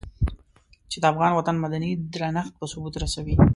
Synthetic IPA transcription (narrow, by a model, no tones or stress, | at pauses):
t͡ʃed̪əafɣɑnwat̪anmad̪anid̪ɾanaxt̪̚pəsʊbut̪ɾasawi